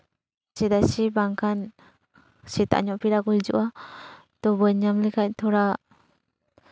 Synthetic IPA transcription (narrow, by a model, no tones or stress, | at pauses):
sɛd̪asibaŋkʰan | sit̪a̰ʔɲɔʔpiɾaɡuld͡ʒṵʔa | t̪ɔbəɲamlikac̚t̪ʰɔɾa